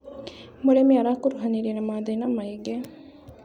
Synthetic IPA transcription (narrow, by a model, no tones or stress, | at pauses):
muɽemiɐɾaːkuɾuɦɐniɾinɐmaːd̪enɐmːɐjeɡːe